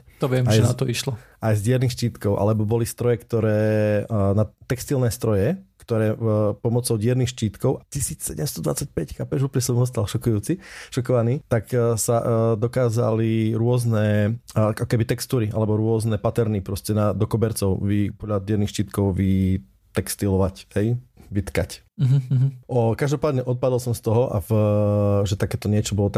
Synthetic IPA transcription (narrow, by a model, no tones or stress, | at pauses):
ɔʋɪɛmajnat̪ɔiʃlɔajzdɪɛɾnixʃciːt̪kɔʊʔa̰lɛbɔbɔlist̪ɾɔjɛkt̪ɔɾɛːnat̪ɛkst̪ilnɛːst̪ɾɔjɛkt̪ɔɾɛːpɔmɔt͡sɔʊɟɪɛɾnixʃciːt̪kɔʊʔacisiːt͡ssɛɟɛmst̪ɔd̪ʋa̰t͡sac̚pɛckapɛʒuːplɲɛsɔmɔs̬t̪alʃɔkujuːt͡siʃɔkɔʋaniːt̪aksad̪ɔkaːza̰liɾʊɔznɛ | akɔkɛbit̪ɛkst̪uːɾiʔa̰lɛbɔɾʊɔznɛpat̪ɛɾnipɾɔscɛnad̪ɔkɔbɛɾt͡sɔʊʋipɔd̪ʎad̪ɪɛɾnixʃt͡ʃiːt̪kɔʊʋi | t̪ɛkst̪ilɔʋachɛjʋit̪kac | ɦɦ̩ʔɔkaʒd̪ɔpaːd̪ɲɛʔɔt̪̚pad̪ɔlsɔmst̪ɔɦɔʔa̰v | ʒɛt̪akɛːt̪ɔɲɪɛt͡ʃɔbɔlɔt̪a